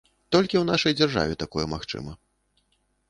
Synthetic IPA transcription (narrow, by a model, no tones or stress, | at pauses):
t̪ɔlʲkʲiwn̪aʂɐjd͡zʲarʐa̰vʲɛt̪akɔjɛmaxt͡ʂɨ̰mɐ